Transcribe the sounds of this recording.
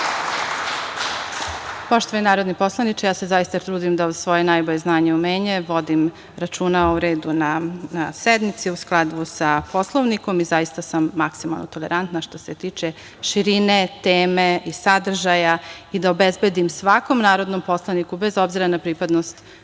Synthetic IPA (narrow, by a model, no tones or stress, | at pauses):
po̞ʃt̪oʋaninaːɾo̞d̪nipo̞slˠanit͡ʃejaːsezajist̪at̪ɾuːd̪imd̪aod̪sʋo̞jenajboʎeznaːɲeumeːɲeʋo̞d̪im | ɾat͡ʃuːnauɾe̞ːd̪unanased̪mit̪siusklˠad̪ʋusapo̞slˠoʋniko̞mizajist̪asamːaksima̰lnot̪oleɾant̪naʃt̪o̞set̪iːt͡ʃe | ʃiɾinet̪eːmeisad̪r̩ʒajaid̪aobezbed̪imsʋako̞mnaːɾo̞d̪no̞mpo̞slˠanikubezo̞bziɾanapɾiːpad̪nost̪